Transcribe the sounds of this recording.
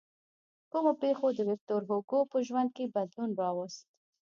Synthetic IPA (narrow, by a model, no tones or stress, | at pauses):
kumopexod̪əwɪf̚t̪oɾɦoɡopəʒwand̪̚kebad̪lunɾɑwəst̪̚